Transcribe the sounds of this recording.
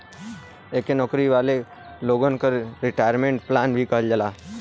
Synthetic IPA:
ekenɔkɾiʋaːle | loɡənkəɾɾɪʈaːjəɾmẽɳʈplaːnbʱikəɦəld͡ʒəlaː

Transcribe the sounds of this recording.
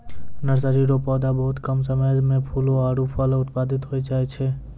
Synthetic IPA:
nəɾsəɾiːɾopɔːd̪abɐɦʊt̪kɐms̬ɐməjmẽpʰuːlõaːɽupʰɔlʊt̪paːd̪ɪt̪ɦoːit͡ʃaːet͡ʃʰeː

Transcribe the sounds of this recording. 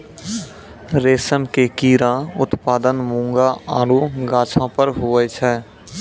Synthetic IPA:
ɾeːsəmkekiːɾãːʊt̪paːd̪ənmũːŋɡaaːɾuɡãːt͡ʃʰãpəɾɦʊɛt͡ʃʰɛː

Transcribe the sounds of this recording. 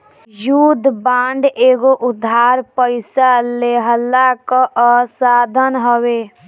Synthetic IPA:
juːd̪ʱbãːɳɖeːɡoʔʊd̪ʱaːɾpəɪsaleɦəlːakaʔəsaːd̪ʱənɦəwe

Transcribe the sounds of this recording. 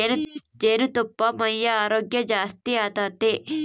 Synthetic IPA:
nd͡ʒeːnut̪ɔpːɐmɐjːɐaːɾoːɡjɐd͡ʒaːst̪iaːt̪aːt̪eː

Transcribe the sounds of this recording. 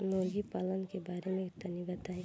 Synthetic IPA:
moːɾɡipaːlənkebaːɾemẽkt̪ɐnibɐt̪aːi

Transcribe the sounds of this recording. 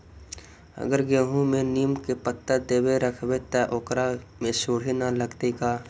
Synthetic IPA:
ə̰ɡəɾɡẽːɦũmẽniːmkepət̪ːəd̪eːbeɾəkʰbet̪aʔoːkɾamẽsʊːɽ̤inaləɡt̪ekaː

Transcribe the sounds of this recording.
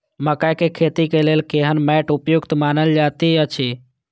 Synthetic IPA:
məkajkekʰeːt̪ikeleːlkeɦənmɛːʈʊpjʊkt̪maːnəld͡ʒaːt̪iət͡ʃʰi

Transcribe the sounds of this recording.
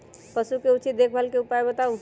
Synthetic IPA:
pəsukeut͡ʃit̪̚d̪ekʰbʱəlkeupajbət̪aũ

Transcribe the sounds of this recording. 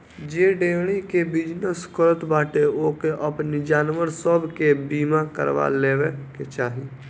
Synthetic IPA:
d͡ʒeːɖeːɽ̃ikebɪd͡ʒnəskʰoɾət̪baːʈeoːkeʔəpnid͡ʒaːnʋəɾsəbkebiːmakə̰ɾʋa̰leːʋeket͡ʃaːɦiː

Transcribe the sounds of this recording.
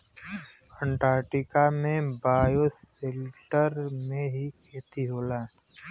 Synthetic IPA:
kʰə̃ɳʈaːɾʈɪkamẽbaːjoseːlʈəɾmẽɦikʰeːt̪iɦoːlaː

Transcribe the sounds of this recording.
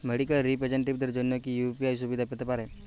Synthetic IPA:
meɽikəlɾipɾed͡ʑəɳʈ̬ib̚d̪əɾd͡ʒonjokijupiajs̬ubid̪ʱapit̪əpaɾe

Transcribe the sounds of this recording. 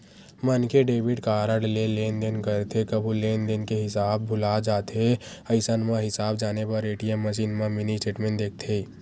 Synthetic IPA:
mənkeɖeːʋɪɖkaːɾəɽleleːnd̪enkəɾt̪ʰekɐbʱuleːnd̪enkeɦɪsaːb̚ːʱʊlad͡ʒaːt̪eɐɪsənmãɦɪsaːbd͡ʒaːnepɐɾeːʈijəmːɐʃ̬iːnmãmɪnisʈeːʈmẽɳʈd̪eːk̚ʰt̪ʰeː

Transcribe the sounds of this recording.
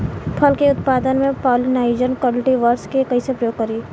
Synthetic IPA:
pʰɐlkeʊt̪̚paːd̪ənmẽpɔːlinaːɪd͡ʒənkwɔːlɪʈiʋəɾskekɐisepɾɐjoːɡkɐɾiː

